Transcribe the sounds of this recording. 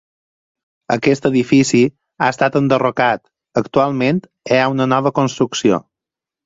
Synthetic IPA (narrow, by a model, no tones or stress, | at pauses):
əkɛst̪əðifisi | aəst̪at̪ənd̪ərokat̪ | əkt̪ualˠment̪ | eaunənɔβəkonst̪ɾuksio̰